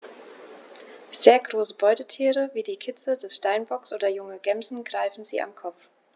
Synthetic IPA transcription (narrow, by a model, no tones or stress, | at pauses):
z̥eːɐɡʁoːsəbɔʏtətʰiːʁəviːdiːkʰɪt͡sədɛsʃtaɪnbɔksʔoːdɐjʊŋəɡɛmzn̩ɡ̥ʁaɪfn̩zḭːʔa̰mkʰɔp͡f